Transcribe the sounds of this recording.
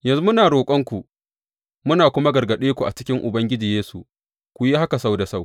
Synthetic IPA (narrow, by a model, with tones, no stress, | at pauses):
jɐ˨nzu˦mʊ˦naː˨ɽoː˨kʷʼɐ˦ŋkʷu˨ | mʊ˦naː˨kʷʊ˦ma˦ɡɐ˨rɡɐ˨ɗeː˦kʷu˨ʔa̰˨t͡ʃɪ̥˦kʲɪ˦ŋʔʊ˨bɐ˦ŋɡʲɪ˦d͡ʒiː˨jeː˦sṵ˨ | kʷu˨ji˦ha˦ka˨sa˦˨wda˨sa˦˨w